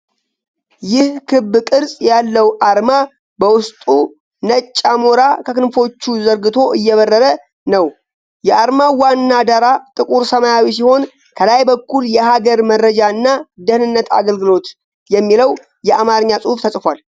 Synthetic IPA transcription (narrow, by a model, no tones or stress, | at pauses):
jɪhkʰɨbːɨkʼɨɾsʼjalːəwʔaɾma | bəwʊst̪ʼu | nət͡ʃʼːamoɾakʰəkɨnfo̞t͡ʃːuzəɾɡɨt̪ʰo̞ʔɨjːɛβərːəɾə | nəw | jɛʔaɾmawanːad̪aɾat̪ʼɨkʼuɾsəmajawis̬iho̞n | kʰəlajbəkʰːuljɛhaɡəɾməɾːəd͡ʒaɨnːad̪əhnɨnːət̪a̰ɡəlɡɨlo̞t̪ | jɛmːiləw | jɛʔamaɾəɲːasʼuhuft̪ʰəsʼfal